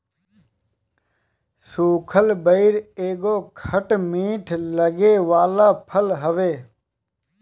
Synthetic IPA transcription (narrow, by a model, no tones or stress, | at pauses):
suːkʰəlbəiɾeːɡoːkʰəʈmiːʈʰləɡeːʋaːlaːpʰəlɦəʋeː